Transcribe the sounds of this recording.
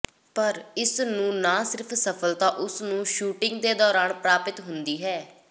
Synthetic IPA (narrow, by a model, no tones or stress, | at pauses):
pəɾɪsnũːnãːsɪɾpʰsəpʰəlt̪ãːʔʊsnũːʃuːʈɪŋɡd̪eːd̪ɔːɾaːnpɾaːpɪt̪ɦʊnd̪iːɦɛː